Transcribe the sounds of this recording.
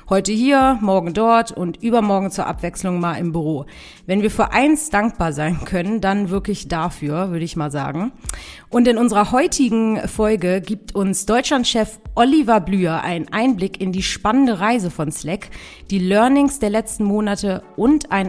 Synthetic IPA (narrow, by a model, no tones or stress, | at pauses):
hɔʏtəhiːɐmɔɐɡŋ̩dɔɐtʊntʔyːbɐmɔɐɡŋ̩t͡suːɐʔa̰pv̥ɛksl̩ʊŋmaːlɪmbyʁ̞oː | vɛnviːɐfyːɐʔaɪnsd̥aŋk̚b̥aːɐzaɪnkʰœnəndanvɪɐklɪçd̥afyːɐvʏɐɾəɪçmaːlza̰ːɡŋ̩ʔʊntɪnʊnzəʁɐɦɔʏtʰɪɡŋ̩fɔlɡəɡiːp̚tʰʊnsd̥ɔʏt͡ʃlantʃɛfʔɔlivablyːɐʔa̰ɪnənʔaɪnblɪkɪndiːʃpanəndəʁaɪzəfɔnslɛk | d̥iːlœɐnɪŋsd̥eːɐlɛt͡stn̩moːnatəʔʊntʔaɪn